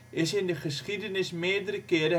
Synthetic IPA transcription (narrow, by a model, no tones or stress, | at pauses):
ɪsɪndəχəsχidənɪsmeːdəɾəkɪːɾə